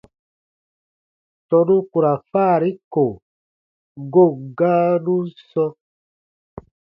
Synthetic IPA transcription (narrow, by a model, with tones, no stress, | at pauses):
tɔ˨nũ˦ku˨ɾa˨faː˦˨ɾi˦ko˨ | ɡo˦˨ɡa˦nũ˦sɔ˦